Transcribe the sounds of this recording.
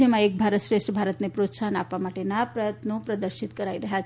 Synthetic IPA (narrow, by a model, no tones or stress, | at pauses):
emaek̚bʱaɾət̪ɕɾeʂʈəbʱaɾət̪nepɾot̪sana̰pamaʈenapɾəjət̪nopɾɐd̪əɾʃit̪kəɾaiɾɐɦja